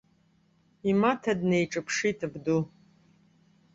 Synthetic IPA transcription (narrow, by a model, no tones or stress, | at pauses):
imatʰɐdnejʈ͡ʂʼɨpʰʂitʰɨbdu